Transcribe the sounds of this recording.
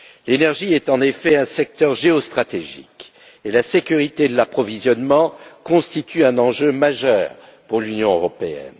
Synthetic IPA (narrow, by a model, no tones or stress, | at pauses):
lenɛʁʒiɛt̪ɑ̃nefɛɛ̃sɛk̚t̪œʁʒeɔst̪χat̪eʒḭk | elasekʲyʁit̪ed̪əlapχɔvizjɔnmɑ̃kɔ̃st̪it̪ʰyɛ̃nɑ̃ʒømaʒœːʁ | puʁlynjɔ̃øʁɔpeɛ̰n